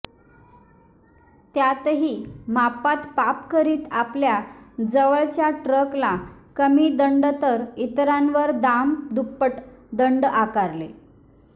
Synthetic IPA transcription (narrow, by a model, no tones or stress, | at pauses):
t̪jat̪ɦiːmapat̪papkəɾiːt̪apljad͡zəʋəɭt͡ɕjaʈɾəklakəmiːd̪əɳɖt̪əɾit̪ɾãnʋəɾd̪amd̪upːəʈd̪əɳɖakaɾle